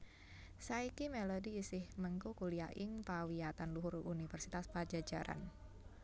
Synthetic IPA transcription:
saikimelodiːsɪhməŋkukuliaʔɪŋpawiat̪anluɦʊrunifɛrsit̪aspad͡ʒad͡ʒaɾʔa̰n

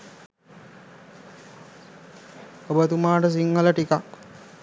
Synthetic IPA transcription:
obət̪umaːʈəs̬iŋːələʈikak

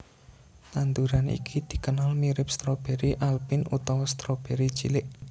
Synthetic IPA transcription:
t̪and̪uɾanʔḭkʰid̪̥i̤kənalmiɾɪp̚st̪ɾob̥eɾiʔalbinṵt̪ɔwɔst̪ɾob̥eɾi̥t͡ʃilɪʔ

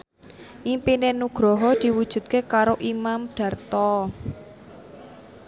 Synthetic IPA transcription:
ʔimpinenuɡ̥ɾɔɦɔd̪̥i̤wud̥ʒ̥ṳt̪̚kekaɾoʔimamɖ̪̥a̤rt̪ɔ

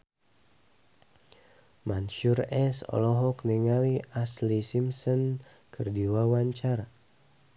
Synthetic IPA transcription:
manʃuɾɛsɔ̰lɔɦɔkniŋaliaslisimsɔn | kərdiwawaɲt͡ʃaɾa

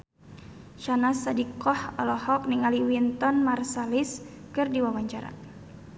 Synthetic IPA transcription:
ʃanasadikɔhɔlɔhɔk̚niŋaliwint̪ɔnmarsalis | kɨrdiwawaɲt͡ʃaɾa̰

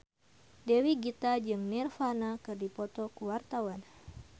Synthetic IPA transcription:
dɛwiɡit̪ad͡ʒɨŋnɛrfanakɨrdipɔt̪ɔkuwart̪awan

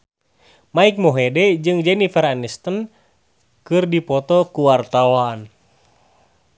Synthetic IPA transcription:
maik̚mɔɦɛdɛd͡ʒɨŋd͡ʒɛnifəɾanist̪ən | kɨrdipɔt̪ɔkuwart̪awan

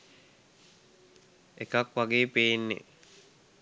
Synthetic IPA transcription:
ekakʋaɡeːpejːnːḛ

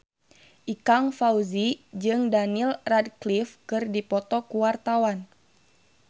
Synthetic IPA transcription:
ʔikaŋfauzid͡ʒɨŋdanilradklifkɨrdipɔt̪ɔkuwart̪awan

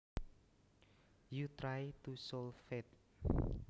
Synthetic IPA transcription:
jut̪ɾajt̪usɔlfet̪̚

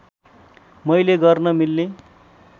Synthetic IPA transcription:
mʌjleɡʌrnʌmilːe

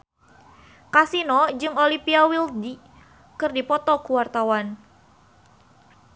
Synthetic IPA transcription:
kasinɔd͡ʒɨŋolipiawildi | kɨrdipɔt̪ɔkuwart̪awan

